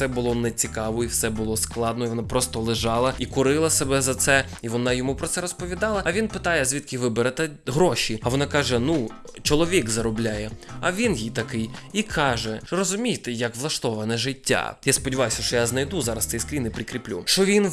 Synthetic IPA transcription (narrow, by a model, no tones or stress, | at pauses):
sɛbʊlˠɔnɛt͡sʲikɑʋɔiwsɛbʊlˠɔsklˠɑd̪nɔjiʋɔnapɾɔst̪ɔlˠɪʒɑlˠɐikʊɾɪlˠɐsebɛzɐt̪sɛ | iʋɔnɑjɔmupɾɔt̪sɛɾɔspɔʋʲid̪ɑlˠɐɐʋʲinpɪt̪ɑjɛzʲʋʲit̪kɪʋɪbeɾɐt̪ɛɦɾɔʃʲiɐʋɔnɑkɑʒɛnu | t͡ʃɔlˠɔʋʲikzɐɾɔblʲajɛɐʋʲinjit̪ɐkɪjikʰɑʒɛrɔzʊmʲijt̪ɛjɐkʋlˠɐʃt̪ɔʋɐnɛʒɪtʲːa̰jaspɔdʲiʋɑjʊsʲɐʃt͡ʃɔjaznɐjd̪uzɑɾɐsɛjskɾʲinɪpɾʲikɾʲiplʲṵʃt͡ʃɔʋʲin